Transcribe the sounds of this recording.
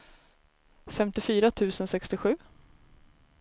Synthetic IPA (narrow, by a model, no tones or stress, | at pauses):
fɛmt̪ɪfyːɾat̪ʰʉ̟ːsənsɛkst̪ɪɧʉ̟ː